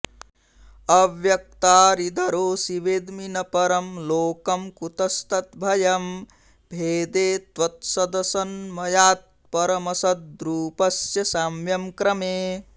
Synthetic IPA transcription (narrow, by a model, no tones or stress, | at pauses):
ɐʋjɐk̚t̪aːɾid̪ʱɐɾoːsiʋeːd̪minɐpɐɾɐmloːkɐmkut̪ɐst̪ɐt̪bʱɐjɐm | bʱeːd̪eːt̪ʋɐt̪sɐd̪ɐsɐnmɐjaːt̪̚ | pɐɾɐmɐsɐd̪̚d̪ɾuːpɐsjɐsaːmjɐmkɾɐmeː